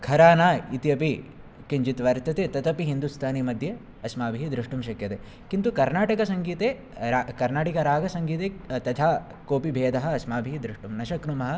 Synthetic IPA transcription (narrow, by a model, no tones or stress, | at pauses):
kʰɐɾaːnaːit̪ijɐpi | kiɲd͡ʒit̪ʋɐɾt̪ɐt̪eːt̪ɐt̪ɐpiɦind̪ust̪ʰaːnimɐd̪ʱjɐ | ɐsmaːbʱiɦid̪ɾiʂʈumʃɐkjɐt̪e | kint̪ukɐɾnaːʈɐkɐsɐŋɡiːt̪eː | ɾakɐɾnaːʈikɐɾaːɡɐsɐŋɡiːt̪eːt̪ɐt̪ʰaː | koːpibʱeːd̪ɐɦɐ̆ɐsmaːbʱiid̪ɾuʂʈumnɐʃɐkɾumɐɦɐ̆